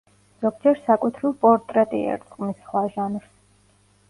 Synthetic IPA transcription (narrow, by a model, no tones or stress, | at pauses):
zɔɡd͡ʒɛɾsakʼut̪ʰɾiɾpʼɔɾt̪ʼɾɛt̪ʼḭɛ̰ɾt̪sʼqʼmisχwaʒanɾs